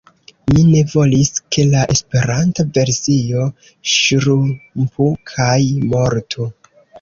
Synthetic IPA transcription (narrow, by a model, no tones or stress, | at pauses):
mine̞vo̞liske̞laʔe̞spe̞ɾantave̞ɾsio̞ | ʃɾumpʰukʰajmo̞ɾtʰu